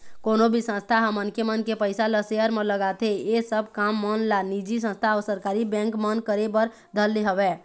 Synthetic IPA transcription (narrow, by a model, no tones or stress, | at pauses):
koːnobʱisə̃st̪ʰaɦəmənkemənkepəjsaləseəɾmeləɡat̪ʰeesəb̚ʱkamːənlanid͡ʒis̬ə̃nst̪ʰaɔːɾsəɾkaːɾibɛ̃ŋkmənkəɾebəɾ | d̪ʱəlːeɦəbɛ